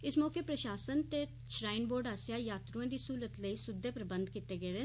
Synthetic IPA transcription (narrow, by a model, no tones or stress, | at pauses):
ɪsmɔːkeːpɾəʃaːsənt̪eː | ʃɾaːɪnboːɾɖaːsjaːjaːt̪ɾuãːd̪iːsuːlət̪ləiːsʊd̪ʱːeːpɾəbə̃nd̪kiːt̪eːɡəeːɾe